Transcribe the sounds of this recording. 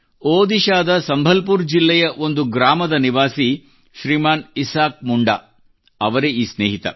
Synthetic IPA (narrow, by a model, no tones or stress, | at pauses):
oːd̪iʃaːd̪ɐsɐmbʱɐlp̬uːɾd͡ʒilːɛjɐʔo̞nd̪uɡɾaːmɐd̪ɐniʋaːsi | ʃɾiːmaːnisaːk̚muɳɖa̰ | ɐʋɐɾeiːsneːɦit̪ɐ̰